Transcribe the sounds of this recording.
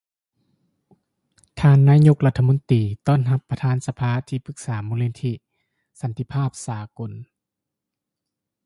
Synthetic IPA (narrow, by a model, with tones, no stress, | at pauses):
t̪ʰaː˧nːaː˧˥ɲo˧˥k̚la˧t̪ʰːmo˧˥˦nt̪iː˨˩t̪ɔː˥˩˨nɦa˧pːɾa˧t̪ʰaː˧˥˨nsa˧pʰaː˧˥t̪ʰiː˧˩pʰɯ˧˥k̚saː˩˦moː˧leː˧nt̪ʰi˧ | sa˨˦nt̪ʰi˧˨pʰaː˥˩p̚saː˩˦ko˨˧˦n